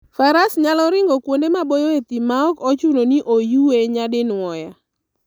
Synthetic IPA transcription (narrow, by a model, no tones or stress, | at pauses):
faɾasɲalɔɾɪŋɡɔkwondemabojoet̪imaɔkɔt͡ʃunoniʔojueɲadɪnɔja